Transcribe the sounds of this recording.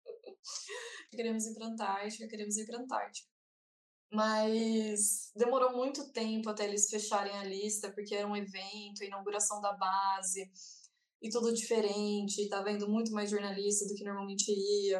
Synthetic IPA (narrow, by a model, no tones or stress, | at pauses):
ɪkeɾemʊzĩfɾɐ̃nt̪aɾt͡ʃɪkɐkeɾẽmʊzĩɾfɾɐ̃nt̪a̰ɾt͡ʃɪ̥kɐ | mɐjsd̪emoɾowmũj̃t̪ʊt̪ẽpʊat̪ɛelɪsfeʃaɾẽj̃ɐlist̪ɐpoɾkeɛɾɐũevẽnt̪ʊɐinawɡuɾasɐ̃w̃d̪ɐbazɪ | ɪt̪ud̪ʊd͡ʒifeɾẽt͡ʃɪːt̪avẽnd̪ʊmũj̃t̪̬ʊmajzʒoɾnalist̪ɐd̪ʊkɪnoɾmawmẽnt͡ʃɪiɐ